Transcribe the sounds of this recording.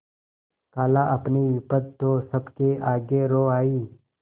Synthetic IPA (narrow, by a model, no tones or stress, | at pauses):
kaːlaʔɐpniʋɪpəd̪̚t̪osəbkeaːɡeɾoːaːiː